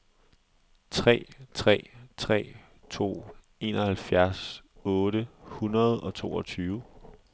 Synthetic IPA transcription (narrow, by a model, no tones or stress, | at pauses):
t͡sʰʁɛ̰ːt͡sʰʁɛ̰ːt͡sʰʁɛ̰ː | t͡sʰo̝̰ː | e̝nɒhælfjæɐsɔ̽ːɾəhunɐð̞̩ˠɒ̽t͡sʰo̝̰ːɒ̽t͡sʰyːʊ